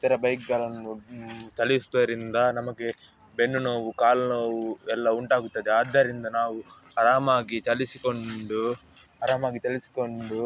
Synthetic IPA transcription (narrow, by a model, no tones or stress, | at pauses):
t̪ɐɾɐbɐjkɡaːlɐnːut͡ʃ̪ɐliisd̪ɐɐɾind̪ɐnɐmɐɡe̞ | be̞nːunoːʋukaːlnoːʋuɛlːɐuɳʈaːɡut̪ːɐd̪eaːd̪ːɐɾind̪ɐnaːʋu | ɐɾaːmaːɡit͡ʃɐlisiko̞ɳɖu | ɐɾaːmaːɡit̪ɐlisi̥ko̞ɳɖu